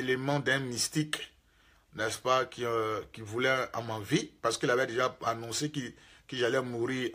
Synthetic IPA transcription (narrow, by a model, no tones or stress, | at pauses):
elemɑ̃d̪ɛ̃mist̪ik | nɛspakikivulɛã̰mavipaʁsə̥kəilavɛd̪eʒaanɔ̃sekikiʒalɛmuʁi